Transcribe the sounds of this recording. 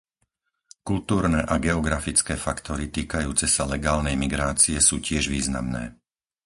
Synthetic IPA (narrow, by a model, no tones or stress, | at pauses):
kult̪uːɾnɛːʔaɡɛɔɡɾafit͡skɛːfakt̪ɔɾit̪iːkajuːt͡sɛsalɛɡaːlnɛjmiɡɾaːt͡siɛsuːcɪɛʒʋiːzna̰mnɛ̰ː